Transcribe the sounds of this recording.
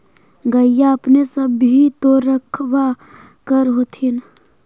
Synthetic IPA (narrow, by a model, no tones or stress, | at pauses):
ɡəijaɐpnesəbɦit̪oɾəkʰʋa | kəɾɦoːt̪ʰin